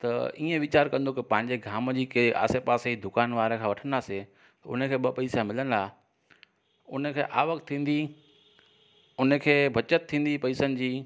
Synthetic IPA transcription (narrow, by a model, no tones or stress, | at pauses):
t̪ɐiːə̃ʋɪt͡ɕaːɾkɐ̃nd̪okɪpɐ̃ɦɪ̃ɲd͡ʑeɡʱaːmd͡ʑiːkeʔa̰ːsepaːseid̪ʊkaːnʋaːɾekʰãːʋɐʈʰə̃nd̪aːse | t̪ɐʊ̰n̤əkʰeːɓɐpɐiːsmɪlənɪd̪aː | ʊnə̆kʰeːʔa̰ːʋəkt̪ʰːĩːn̆d̪i | ʊn̤əkʰeːbʱɐt͡ɕət̪̚ʰːĩːn̆d̪ipɐiːsənɪ̆d͡ʑiː